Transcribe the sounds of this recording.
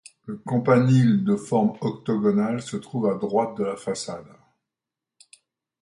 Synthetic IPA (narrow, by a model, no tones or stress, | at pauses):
ləkɔ̃panild̪əfɔʁmɔk̚t̪ɔɡɔnalsət̪χuvad̪ʁwat̪̚d̪əlafasad̪